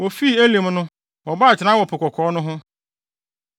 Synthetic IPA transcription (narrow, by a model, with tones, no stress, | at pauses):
wɔ˨fi˦˨æ˦lĩ˨mnʊ̃˦ | wɔ˨ba˦˨t͡ɕʰɪ˨nã˦wɔ˨pʰɪ˨kʷɔ˨kʰɔː˨˦nʊ̃˦ɦʊ̃˦